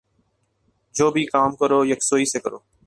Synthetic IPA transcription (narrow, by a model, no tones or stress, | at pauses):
d͡ʒoːbʱiːkaːmkəɾoːjəksoːiːseːkəɾoː